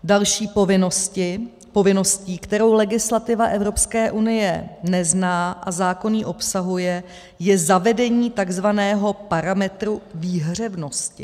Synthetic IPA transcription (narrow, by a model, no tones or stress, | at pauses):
dalʃiːpovɪnosɪ | po̞vɪno̞sciːkt̪ɛɾo̞wlɛɡɪslat̪ɪvaʔɛvɾo̞pskɛːʔunɪjɛnɛznaːʔazaːko̞niːʔo̞psaɦujɛ | jɛzavɛdɛɲiːt̪aɡzvanɛːɦo̞paɾamɛt̪ɾuviːɦr̝ɛvno̞scɪ̰